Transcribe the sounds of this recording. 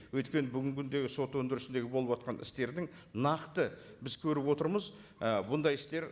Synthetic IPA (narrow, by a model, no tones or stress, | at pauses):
wɵjt̪kʲe̞nɪbʏɡʲɪŋkʲʰʏnd̪e̞ɡʲɪso̞t̪wɵnd̪ɪɾɪsɪnd̪e̞ɡʲɪbo̞lˠəpwot̪̚qʰɑnʔɪ̰st̪e̞ɾd̪ɪŋ | nɑqt̪ə | bɪzkʲʰɵɾɪpwo̞t̪əɾməz | əbʊnd̪ɑjɪst̪e̞ɾ